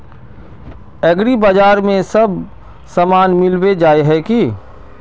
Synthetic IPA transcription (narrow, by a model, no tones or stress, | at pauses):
ɐɡɾibad͡ʒaːɾmẽsɐb | sɐmaːnmɪlwed͡ʒaːeɦɛki